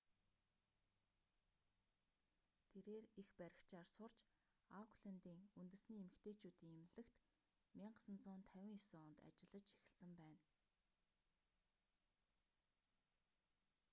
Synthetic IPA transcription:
t̪ʰeɾeːrixpæɾʲɪ̆kt͡ɕarsʊr̥t͡ɕ | akʰɮant̪iːŋunt̪ɘ̆sniːemɘ̆kt̪ʰeːt͡ɕuːt̪iːŋemɮɘ̆kt̪ | mʲiɴɢə̥̆sə̆nt͡sʊːnt̪ʰæwʲɪ̆ŋjɔsoɔnt̪a̰t͡ɕɪ̆ɮə̆t͡ɕe̥xɘ̆ɮsɘ̆mpæːn

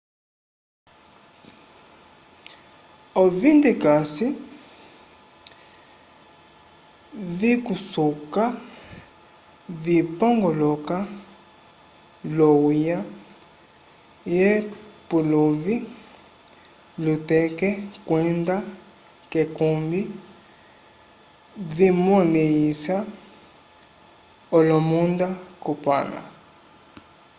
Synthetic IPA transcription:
ɔvindɛkasi | vikusuka | vipɔŋɡɔlɔka | lɔwija | jɛpulovi | lutɛkɛkwɛnda | kɛkumbi | vimɔnɛjisa | ɔlɔmundakupa̰la̰

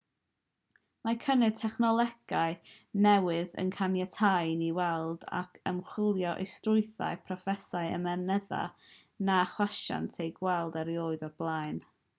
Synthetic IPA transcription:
makʰənɨd̚tʰɛχnɔlˠɛɡaɨ | nɛwɪðə̰nkʰanjɛtʰajniwɛlˠd̥a̰kʰəmχwɪlˠjɔʔḛjstrʊɨθa̰ɨpʰrɔfɛsaɨə̰mɛnɛða̰ | naχwaʃa̰ntʰejɡwɛlˠdaɾjoːɨðɔrblˠajn

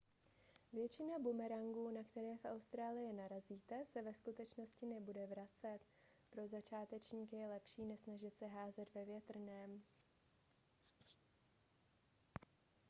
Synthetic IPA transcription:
vjɛt͡ʃɪnabumɛɾaŋɡuːnakt̪ɛɾɛːfʔawst̪ɾaːlɪjɪnaɾaziːt̪ɛsɛvɛskut̪ɛt͡ʃno̞scɪnɛbudɛvɾat͡sɛt̪ | pɾo̞zat͡ʃaːt̪ɛt͡ʃɲiːkjɛlɛpʃiːnɛʃsnaʒɪt̪sɛɦaːzɛt̪vɛvjɛt̪r̩nɛːm

